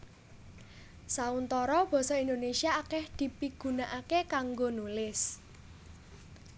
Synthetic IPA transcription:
saunt̪ɔɾɔb̥ɔ̤sɔind̪onesiaːkɛhd̪̥i̤piɡ̥ṳnaʔakekaŋɡonulɪs

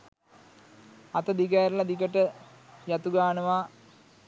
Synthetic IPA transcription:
ɐt̪ɐd̪ʱikaːɾlad̪ikəʈə | jat̪uɡaːnəʋa

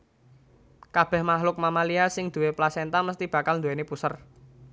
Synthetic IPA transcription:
kab̥ɛ̤hmaɦlʊk̚mamaliasɪŋd̪̥ṳweplasent̪aməst̪ib̥a̤kalnd̪uwenepusər

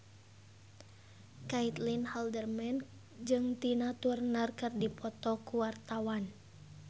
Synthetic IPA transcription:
kait̪linhaldərmɛn | d͡ʒɨŋt̪inat̪urnarkɨrdipʰɔt̪ɔkuwart̪awan

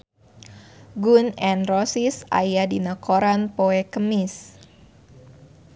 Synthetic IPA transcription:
ɡunɛnrosisa̰jadinəkoɾanpoɛkəmis

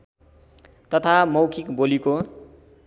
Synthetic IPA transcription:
t̪ʌt̪ʰamʌwkʰikboliko

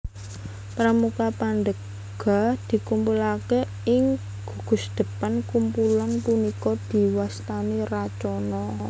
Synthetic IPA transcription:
pɾamukapand̪ə | ɡ̥a̤d̪̥i̤kumpulake | ɪŋ | ɡ̥ṳɡ̥ʊ̤sd̪̥ə̤pankumpulanpunikɔd̪̥i̤wast̪anirat͡ʃɔnɔ

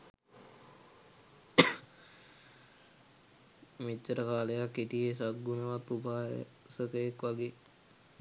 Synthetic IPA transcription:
mit͡ʃːəɾəkaːləjakːiʈijesaɡɡunəʋat̪ːubaːɦ | səkəjekʋaɡeː

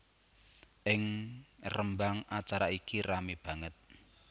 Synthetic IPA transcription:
ʔɪŋrəmbaŋat͡ʃaɾaikiramib̥ä̤ŋət̪̚

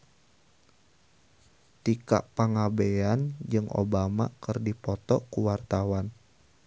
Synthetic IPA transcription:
t̪ika̰ʔpaŋabeand͡ʒɨŋʔo̰bama̰kɨrdipɔt̪ɔʔkuwart̪awan

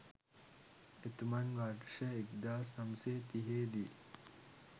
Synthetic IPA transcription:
et̪umɐnʋaːʈʃɐekd̪aːsnɐmseːt̪iɦeːd̪i

